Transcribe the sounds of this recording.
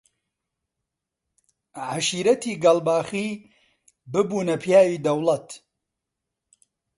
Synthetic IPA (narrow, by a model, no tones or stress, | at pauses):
ʕaʃiːɾɐt̪ʰiːɡɐlbaːxiː | bɨbuːnɐpʰjaːwiːd̪ɐwlɐt̪